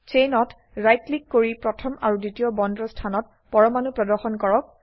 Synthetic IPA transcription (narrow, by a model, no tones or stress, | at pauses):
t͡ʃenɔt | ɹajtlikːoɹipɹɔtʰɔmʔaɹuditiɔbɔndɹɔstʰanɔt̚ | pɔɹɔmanupɹɔdɔxɔnkɔɹɔk̚